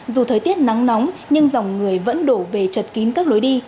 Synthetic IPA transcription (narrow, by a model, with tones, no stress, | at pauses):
zu˨˩t̪ʰəː˨˩jt̪i˦˥ət̚na˨˦ŋnɔ˨˦wŋ͡mɲɨ˧ŋza˨˩wŋ͡mŋɨ˨˩əjvə̰˧˥nɗo˧˩ve˨˩t͡ɕə˨˩t̚ki˨˦nkaː˦˥k̚lo˨˦jɗi˧